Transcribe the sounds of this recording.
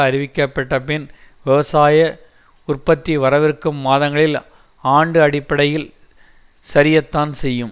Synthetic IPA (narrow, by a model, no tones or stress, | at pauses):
ɐɾɪʋɪkːɐpːɐʈːɐpɪnʋɪʋɐsaːjɐ | ʊrpɐt̪ːiʋɐɾɐʋɪrkɯmːaːðɐŋɡɐɭɪl | aːɳɖɯɐɽɪpːɐɽɐjɪl | sɐɾɪjɐt̪ːaːnsɛjːɯm